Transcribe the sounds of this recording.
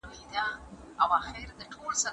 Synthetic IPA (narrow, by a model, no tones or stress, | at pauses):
id̪a | awaxɪɾd̪əʈʰolsa